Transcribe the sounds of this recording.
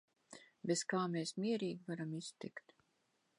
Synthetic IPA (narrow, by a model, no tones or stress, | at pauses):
bʲeskaːmeːsmʲiɛɾiːɡʲivaɾamist̪ikt̪